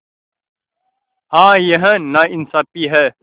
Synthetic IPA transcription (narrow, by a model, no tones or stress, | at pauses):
ɦãːjɐɦə̃naɪnsaːpiɦɛ